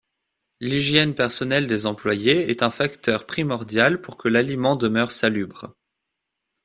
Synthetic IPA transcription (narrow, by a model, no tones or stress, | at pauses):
liʒjɛnpɛʁsɔnɛld̪ezɑ̃plwajeɛt̪ɛ̃fakt̪ʰœʁpχimɔʁd̪jalpuʁkəlalimɑ̃d̪əmœʁsalybʁ